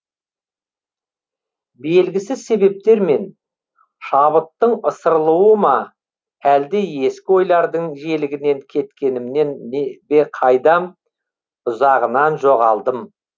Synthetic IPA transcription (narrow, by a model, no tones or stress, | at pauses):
be̞lɡʲɪsɪzse̞βe̞p̚t̪e̞ɾme̞n | ʃɑβət̪ːəɴəsəɾlˠuwəmɑ | æld̪ee̞skʲɪo̞jlˠɑɾd̪əɴʒe̞lɪɡʲɪne̞ŋkʲʰe̞t̪kʲe̞nɪmne̞nːebe̞qʰɑjd̪ɑ | ʊzɑʁənɑnʒo̞ʁɑlˠd̪əm